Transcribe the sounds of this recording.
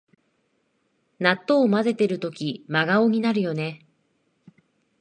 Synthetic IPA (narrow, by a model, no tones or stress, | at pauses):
nat̪ːo̞ːmaze̞t̪e̞ɾɯ̟t̪o̞kʲimaɡaoɲ̟inaɾɯ̟jo̞ne̞